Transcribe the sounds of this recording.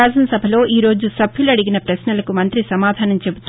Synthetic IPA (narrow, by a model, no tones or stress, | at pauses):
aːsɐnɐsɐbʱɐlo̞ːʔiːɾo̞ːd͡ʒusɐbʰʱjuluɐɽiɡinɐpɾɐsnɐlɐkumɐnt̪ɾisɐmaːd̪ʱaːnɐmt͡ʃe̞but̪